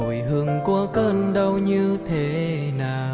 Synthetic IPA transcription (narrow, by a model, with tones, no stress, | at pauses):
o˨˩jhɨ˧˨əŋku˧˦əkəː˧˩nɗə˧wɲɨ˧t̪ʰe˨˦ | naː˨˩